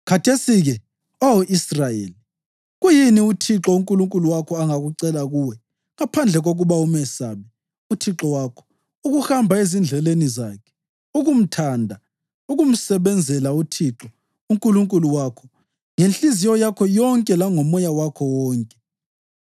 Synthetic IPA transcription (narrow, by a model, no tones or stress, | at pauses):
kʰatʰesiɣɛ | oɔʔisrajḛːli | ɣujiniutʰiǁɔuŋkʼuluŋkʼuluwakʰɔaŋaɣuǀɛlaɣuwɛ | ŋapʰand͡ɮʱɛɣoɣuβaumɛsaβɛ | utʰiǁɔwakʰɔ̥ | uɣuxhambʱaezind͡ɮʱɛlenizaːkʰɛ̥ | uɣum̩tʰaːndʱa | uɣum̩sɛβɛnd͡zʱɛlautʰiǁɔ | uŋkʼuluŋkʼuluwakʰɔ | ŋenɬizijɔjakʰɔjɔŋkʼɛlaŋɔmɔjawakʰɔwɔːŋkʼɛ̥